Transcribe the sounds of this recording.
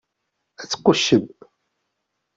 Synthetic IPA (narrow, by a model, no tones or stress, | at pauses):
æt͡sːə̥qːʊʃːəb